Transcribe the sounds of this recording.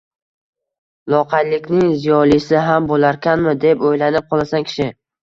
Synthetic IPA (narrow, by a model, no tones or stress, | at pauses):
lˠɒqʰɑjlɪkʲnɪŋzijɒlˠisɪɦambolaɾkʲanmɪd̪e̞pojlanɪp̚qʰɒlˠasaŋkʲʰɪ̥ʃɪ